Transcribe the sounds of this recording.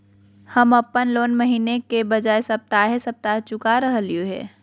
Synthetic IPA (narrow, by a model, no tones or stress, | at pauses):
həməpːənloːnməɦiːnekebəd͡ʒaːesɐp̚t̪aɦesɐp̚t̪aːt͡ʃʊkaɾəɦəljoɦɛ̰ː